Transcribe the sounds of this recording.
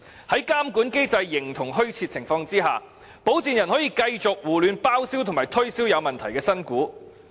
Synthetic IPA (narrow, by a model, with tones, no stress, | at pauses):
hɐ˨˥jkaː˥mkuː˨˥nke˥jt͡sɐ˧jːɪ˨˩ŋt̪ʰʊ˨˩ŋɦɵ˥ɥt͡sʰiː˧t̚t͡sʰɪ˨˩ŋfɔː˧ŋt͡siː˥ɦaː˨ | po˨˥wt͡siː˨njɐ˨˩nhɔː˨˥jiː˧kɐ˧jt͡sʊ˨k̚wuː˨˩lyː˨˧npaː˥wsiː˥wt̪ʰʊ˨˩ŋmaː˨˩jt̪ʰɵ˥ɥsiː˥wjɐ˨˧wmɐ˨nt̪ʰɐ˨˩jkɛː˧sɐ˥nkuː˨˥